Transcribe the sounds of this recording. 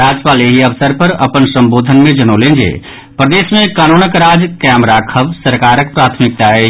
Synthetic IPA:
ɾaːd͡ʒpaːleɦiəʋsəɾpəɾɐ̰pənsə̃mboːd̪ʱənmẽd͡ʒənolẽnd͡ʒḛː | pɾəd̪eːsmẽkaːnoːnəkɾaːd͡ʒkɛmɾaːkʰəʋsəɾkaːɾək̚pɾaːt̪ʰmɪk̚t̪ae

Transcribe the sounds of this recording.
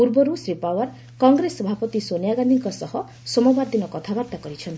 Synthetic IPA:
puɾbɔɾusɾipawaɾ | kɔŋɡɾesɔbʱapɔt̪isonjaɡand̪iŋkɔsɔhɔ | sɔmɔbaɾd̪inɔkɔt̪ʰabaɾt̪akɔɾit͡ʃʰɔnt̪i

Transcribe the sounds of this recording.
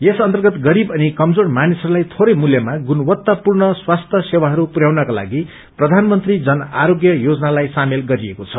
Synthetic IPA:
esʌnt̪ʌrɡʌt̪ɡʌɾibʌnikʌmd͡zoɽmanisʌɾulajt̪ʰoɾʌjmuljʌmaɡunʌwʌt̪ːapurnʌswast̪ʰjʌsewaɦʌɾupuɾjawnʌkala̰ɡi | prʌd̪ʱanmʌnt̪rid͡zʌnaɾoɡjʌjod͡zʌnalajsamelɡʌɾiekot͡sʰʌ

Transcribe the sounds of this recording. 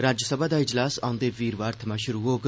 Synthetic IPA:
ɾaːd͡ʒəsəbaːd̪aːɪd͡ʒlaːsaːʊ̃nd̪eːʋiːɾʋaːɾt̪ʰəmaːʃʊɾuɦoːɡ

